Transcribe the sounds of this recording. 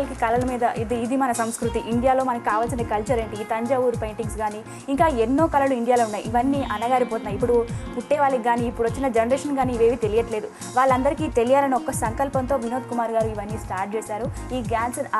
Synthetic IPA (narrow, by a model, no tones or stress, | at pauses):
lɐkikɐlɐlɐmiːd̪ɐʔid̪iːd̪imɐnɐsɐmskɾut̪iʔiɳɖijaːlo̞ːmɐnɐki̥kaːʋaːlsind̪ikɐlt͡ʃɐɾeːɳʈiːt̪ɐɲd͡ʒɐʋuːɾpejɳʈiŋɡsɡaːniː | iŋkaːenːo̞ːkɐlɐluiɳɖijaːloːunːaːjiʋɐnːiːʔɐnɐɡaːɾipoːt̪unːaːjipːuɽupuʈːɛːʋaːɭɐkiɡaːniːpːuɽʋɐt͡ʃːinɐd͡ʒenɐɾeːʂɐnɡaːniːʋe̞ːʋit̪elijɐʈle̞ːd̪u | ʋaːɭːɐnd̪ɐɾikit̪e̞lijaːlɐnɐɔkːɐsɐŋkɐlpɐnt̪o̞ːʋinoːt̪kumaːɾɡaːɾuiʋɐnːiːsʈaːɾʈ̚t͡ʃeːsaːɾuiːɡaːns